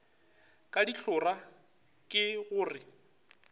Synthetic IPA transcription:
kʼadiɬʰʊra | kʼɪɣʊːrɪ

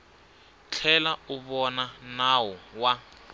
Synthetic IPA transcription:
t͡ɬʰɛlauβɔnanawɔwa

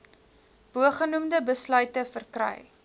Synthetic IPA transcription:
b̥uəχənumdəbəslœɥtəfərkrɛ̰j

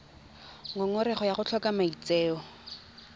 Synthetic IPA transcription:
ŋɔŋɔɾɛχɔjaχʊt͡ɬʰɔkamait͡seːɔ

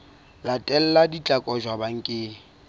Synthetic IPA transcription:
latʼɛl̩ladit͡ɬʼakʼɔd͡ʒwabaŋ̩kʼɪː

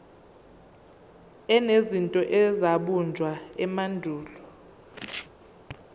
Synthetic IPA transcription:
ɛnezintʼɔʔɛzaɓund͡ʒʱwaɛmandʱuːlɔ

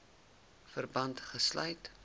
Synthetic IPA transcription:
fərbɐntχəslœ̰ɥt

